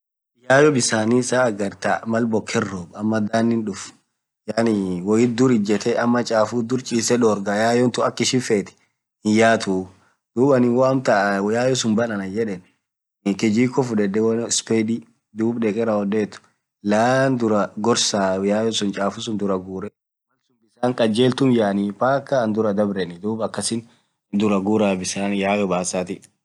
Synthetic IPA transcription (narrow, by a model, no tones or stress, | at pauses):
jaːjɔbɪsaːnisaːɐɡɐɾt̪amɐlbɔkʰːɛrːɔːbɐmːɐd̪aːnːɪnᶑʊf | jaːnɪwɔjɪt̪̚d̪ʊɾɪd͡ʒɛt̪ʰɛʔɐmːɐt͡ʃʼaːfud̪ʊɾt͡ʃʼiːsɛᶑoːɾɡajaːjɔnt̪ʊɐkːɪʃɪfeːt̪ɛ̥ | hɪjaːt̪u | d̪̥uːbɐnɪwɔɐmt̪ɐjaːjɔsʊnbɐnɐnɐd͡ʒɛᶑɛn | kɛd͡ʒiːkːɔfʊᶑɛd̪ɛwɐnspeːd̪i | d̪uːbɗɛkʼɛɾɐɔd̪eːt̪ːʊ̥ | laːnd̪ʊɾɐɡɔɾsaːjaːjɔsʊnt͡ʃʼaːfʊsʊnd̪ʊɾɐɡuːɾɛ | mɐnsʊmbɪsaːŋkʼɐd͡ʒeːlt̪ʊmjaːnipaːkːaːnd̪ʊɾɐd̪ɐbɾɛnɪd̪uːbɐkːɐsɪn | d̪ʊɾɐɡuːɾaːbɪsaːnjaːjɔbaːsaːt̪ɪ